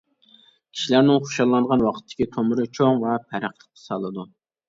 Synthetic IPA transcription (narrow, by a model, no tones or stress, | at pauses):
kʲʰi̥ʃilæɾnɪŋχo̥ʃɑlˠːɑɴʁɑnwɑqʰə̥t̪ʰːɪ̥kʲit̪ʰomʊɾɨt͡ʃʰoŋvɛpʰæɾæχlˠə̥q̚t̪ʰɑ̥sɑlˠɨd̪u